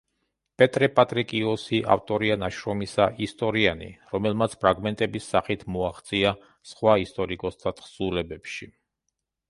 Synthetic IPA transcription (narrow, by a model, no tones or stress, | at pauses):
pʼɛt̪ʼɾɛpʼat̪ʼɾikʼiɔsiʔa̰ft̪ʼɔɾianaʃɾɔmisaʔist̪ʼɔɾianḭɾɔmɛlmat̪sʰpʰɾaɡmɛnt̪ʼɛbisːaχit̪ʰmɔaχt̪sʼia | sχwaist̪ʼɔɾikʼɔsd̪ʰat̪ʰχsulɛbɛpʃi